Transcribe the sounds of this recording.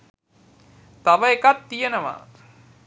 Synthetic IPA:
t̪aʋɐekat̪ːijenəʋa̰

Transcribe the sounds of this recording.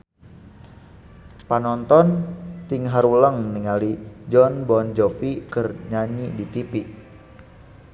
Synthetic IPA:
panɔnt̪ɔnt̪ɪŋɦaɾuləŋniŋalid͡ʒɔnbɔnd͡ʒofikərɲaɲidit̪ipiʔ

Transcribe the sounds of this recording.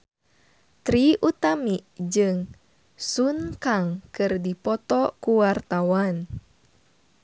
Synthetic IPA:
t̪ɾiʔut̪amiʔd͡ʒɨŋ | sunkaŋkɨrdipɔt̪ɔkuwart̪awan

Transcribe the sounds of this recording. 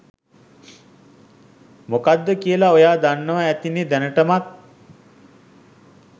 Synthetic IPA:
mukad̪ːəkijəlaojaːd̪anːəʋaæt̪ined̪ænəʈəmat̪̚

